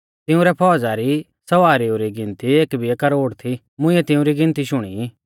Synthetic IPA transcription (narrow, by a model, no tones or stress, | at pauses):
t̪ɪũɾɛpʰɔːd͡zaɾi | sɐʋaːɾioɾiɡɪ̃nt̪ieːkbʱiɛkɐɾoːɽt̪ʰi | mʊ̃ĩɛt̪ɪ̃ũɾiɡɪ̃nt̪iʃʊɽ̃i